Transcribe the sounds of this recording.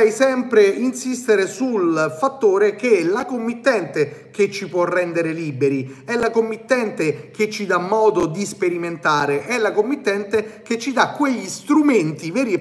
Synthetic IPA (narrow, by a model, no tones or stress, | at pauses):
ɛjsɛmpɾeinsist̪eɾesulfat̪ːoːɾek̟eɛlakomːit̪ːɛnt̪eket͡ʃːipwɔrːɛnd̪eɾeliːbeɾiɛlːakomːit̪ːɛnt̪ek̟et͡ʃːid̪amːɔːd̪od̪ispeɾiment̪aːɾeʔɛlːakomːit̪ːɛnt̪eket͡ʃːid̪akːweʎːist̪ɾument̪ivɛːɾi